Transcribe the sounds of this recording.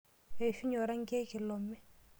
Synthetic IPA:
e˨fi˦ɲɔ˨ɾa˦ŋ˦ɡe˦ki˨lɔ˨mːɛ˦

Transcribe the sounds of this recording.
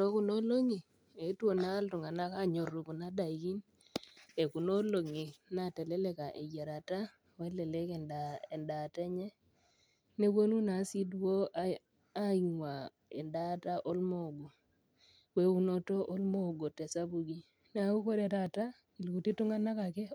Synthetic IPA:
ɾo˦ku˦no˦lo˦ŋi˨ | e˨˦two˨naː˦ltʊ˨ŋa˨na˦ka˦ɲo˨ru˨ku˨na˦da˨i˨ki˦n | e˨ku˨no˦lo˨ŋi˨na˨tɛ˨le˦le˨ka˨ʔḛ˨ɡa˨ɾa˨ta˦ | we˦le˨le˦kɛ˨ndae˨nda˨tɛ˦ɲɛ˦ | ne˦kwo˦nu˦na˨˦si˦dwo˦ | a˦i˨ŋwa˨ | ḛ˨nda˦ta˦ʔo˦lmo˨ɡo˨ | we˦u˦no˦to˦ʔo˦lmo˦˨ɡo˨tɛ˨sa˦bu˨ɡi˦ | na˨˦u˦ko˦ɾe˨ta˨ta˦ | i˨lku˨ti˦tʊ˦ŋa˦na˦ka˨kɛ˦

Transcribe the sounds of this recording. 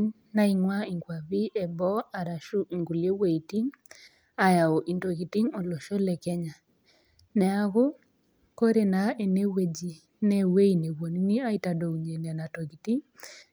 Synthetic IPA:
ŋ | na˦i˨ŋwa˦i˨ŋɡwa˨βi˦ʔɛ˨bɔ˦a˨ɾa˨ʃu˦ʔi˨ŋɡu˨lje˦we˨i˨ti˦ŋ | a˨ja˨o˨ʔi˨nto˨ɣi˨ti˦ŋo˨lo˨ʃo˦lɛ˨kɛ˦ɲa˨ | nɛ˨a˨ɣo˦ | ko˦ɾe˨na˨e˨ne˦we˨d͡ʒi˨ | nɛ˦we˦i˨ne˨βwɔ˨ni˦ni˦a˦i˦ta˨do˨u˨ɲe˨n˨a˨na˨tɔ˨ɣi˨ti˦ŋ

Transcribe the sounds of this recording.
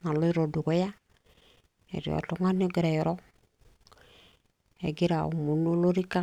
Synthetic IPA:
na˨lo˦i˦ɾo˨du˨ko˦ja˦ | ḛ˨ɾḭ˨o̰˨to˦ŋa˦n˦o˦ɡi˨ɾa˨jo˨ɾo˦ | ḛ˨ɡi˦ɾa̰˨u˨mu˨no˦lo˦ɾi˦ka˦

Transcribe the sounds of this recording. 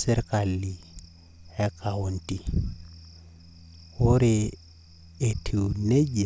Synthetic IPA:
sɛ˦ɾka˨lːi˨ | ɛ˦kʰa˨o˨nti˨ | ʊ˦ɾe˨ | e˨tʰi˨ne˦d͡ʒ

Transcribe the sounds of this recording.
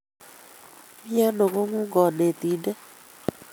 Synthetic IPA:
mi˦a˦no˨ko˦ŋu˦ŋɡɔ˨ne˨t̪i˨nde˦

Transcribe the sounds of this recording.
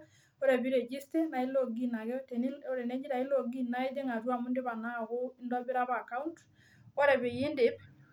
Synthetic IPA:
o˦ɾɛ˨bi˦ɾe˨d͡ʒi˦stɛ˦na˨i˦lo˦ɡi˦na˨ɡɛ˦te˨ni˦o˦ɾɛ˨ne˦d͡ʒi˦ɾa˨i˦lo˦ɡi˦na˦i˦de˦ŋa˨ɾu˦a˨mu˦ndɪ˦ba˨ŋa˦ho˦ɪ˦ndɔ˦bi˦ɾa˦ba˨ka˦unt | o˦ɾɛ˨be˨ji˦ndɪ˨˦b̚

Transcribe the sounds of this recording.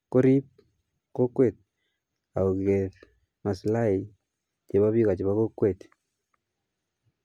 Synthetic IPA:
ko˦ɾi˦p̚ | ko˦kːwe˦˨t̚ | a˨o˨kɣe˨ð | ma˨sla˦i | t͡ʃe˨βa˦βi˦ɣa˨t͡ʃe˨βa˦ɣo˦kwe˨t̪

